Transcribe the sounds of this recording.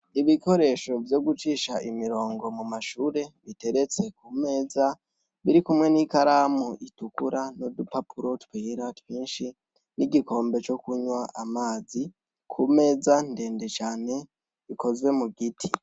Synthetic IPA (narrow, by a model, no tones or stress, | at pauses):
iβiko̞ɾe̞ːʃo̞vjo̞ɡut͡ʃiːʃaʔimiɾo̞ːŋɡo̞mumaʃuːɾe̞βite̞ɾe̞t͡se̞kume̞ːza | βiɾikumŋe̞nikaɾaːmuʔitukuɾanodupapuɾo̞twiːɾatwiːnʃi | niɡiko̞ːmbe̞t͡ʃo̞kuɲwaʔamaːzi | kʰume̞ːzande̞ːnde̞t͡ʃaːne̞ | iko̞zwe̞muɡitʰi